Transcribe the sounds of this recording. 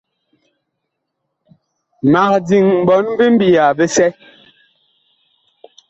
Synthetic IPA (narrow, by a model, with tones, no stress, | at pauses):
ma˨k̚di˨ŋm̩˨bɔ˨˦n˦bi˦m̩˦bi˨a˨be˦sɛ˦